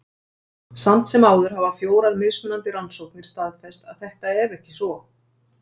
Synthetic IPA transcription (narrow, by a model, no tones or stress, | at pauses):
san̥t̪sɛmaːwðʏɾ̥ɦavafjoːwɾaðmeːɣsmʏnant̪ɪɾansowkmfɪɾ̥st̪aðfɛst̪aðθɛht̪aɛɾɛhcɪsvɔ